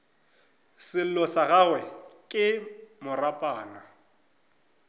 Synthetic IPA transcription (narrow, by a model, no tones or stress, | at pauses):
sɪlɔsaɣawɛkʼɪmʊrapʼaːna